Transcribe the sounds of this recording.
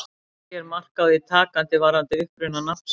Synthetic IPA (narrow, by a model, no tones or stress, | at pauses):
jɛɾmar̥kawðit̪ʰaːkant̪ɪvaːɾant̪ɪʏhpɾʏnanas